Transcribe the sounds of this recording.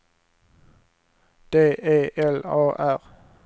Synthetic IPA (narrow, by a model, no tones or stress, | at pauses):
d̪̥eːʔeːʔɛloːʔæʁ